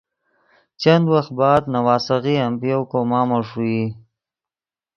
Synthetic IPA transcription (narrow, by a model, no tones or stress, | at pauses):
t͡ʃand̪waxt̪̚bɑːd̪nawɑːsaɣiampjowkomɑːmaʂui